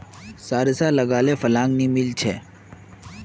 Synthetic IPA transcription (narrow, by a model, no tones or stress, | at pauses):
saːɾɪsaːləɡaːleːfəlãːŋɡniːmɪlt͡ʃʰeː